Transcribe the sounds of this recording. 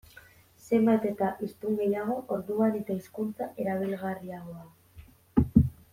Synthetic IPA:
semat̪et̪aʔist̪uŋɡejaɣoʔoɾðuanit̪aiskunt͡s̪aʔeɾaβelɣariaɣoa

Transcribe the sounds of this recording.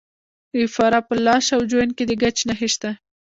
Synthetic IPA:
ɪfɑɾapəlɑʃawd͡ʒojənked̪əɡat͡ʃnaxeʃt̪a

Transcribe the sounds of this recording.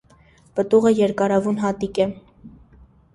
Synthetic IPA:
pət̪uʁəjɛɾkɑɾɑvunɦɑt̪ikɛ

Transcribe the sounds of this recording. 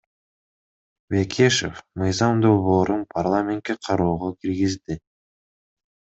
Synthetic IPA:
vekʲʰeʃḛfmɯjzɑmd̪o̞lˠβo̞ːɾunpʰarlˠamʲent̪̚kʲːe̞qʰɑɾuːʁɑkʲʰiɾɡʲɪzd̪ɪ

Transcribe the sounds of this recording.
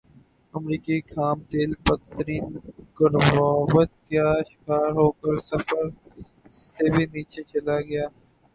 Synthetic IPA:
əmɾiːkikʰaːmt̪eːlpət̪əɾiːnkəɾʋaːbət̪̚kjaːʃɪ̥kaːɾɦoːkəɾsəfəɾ | sebʱiniːt͡ʃet͡ʃɐlaɡɐjaː

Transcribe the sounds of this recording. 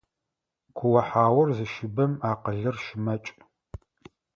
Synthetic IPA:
kʷʰʊwɐħaːwɐrzɨʃɪbɐmaːqəɮɨrʃɪmɐt͡ʃʼ

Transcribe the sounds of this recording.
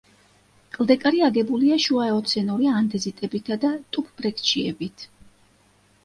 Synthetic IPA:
kʼlˠd̪ɛkʼaɾiaɡɛbuliaʃuaɛɔt̪sʰɛnuɾiand̪ɛzit̪ʼɛbit̪ʰad̪at̪ʼupʰb̥ɾɛkʰt͡ʃʰiɛ̰bit̪ʰ

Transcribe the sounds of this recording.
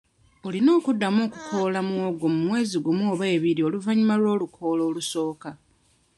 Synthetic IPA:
olino̞ːkudːamo̞ːkukʰo̞ːlamuoɡo̞mumwe̞ːziɡumoːβe̞ːβiɾio̞luvaɲimalwo̞ːlukʰo̞ːlo̞ːluso̞ːka

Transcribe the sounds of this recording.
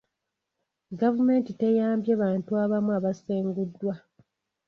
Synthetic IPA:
ɡavume̞ːntite̞jaːmbjaːβaːntuaβamuaβaseːŋɡudːwa

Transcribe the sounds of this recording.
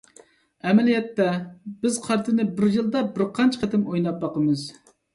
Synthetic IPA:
ɛmɛlijɛt̪ːɛbɪz̥qʰɑɾt̪ʰɨnɪbɪɾjɨlˠd̪ɑbɪɾqʰɑnt͡ʃʰqʰɛt̪ɪmojnɑp̚bɑqəmɨz

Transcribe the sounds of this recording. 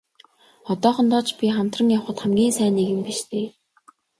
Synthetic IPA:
ɔt̪ɔːχɞ̆nt̪ɔːt͡ɕpʲiχam̥t̪rə̆ŋjawχə̆t̪χæmɡʲiːnsæːneɣɘ̆mpiʃt̪ʰeː

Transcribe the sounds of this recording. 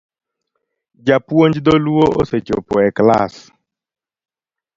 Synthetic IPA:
d͡ʒapwoɲd͡ʒd̪oluoʔo̰set͡ʃo̰pɔɛkla̰s

